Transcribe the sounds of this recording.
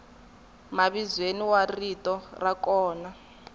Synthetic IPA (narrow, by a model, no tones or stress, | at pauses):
maβizweniwaritɔrakɔːna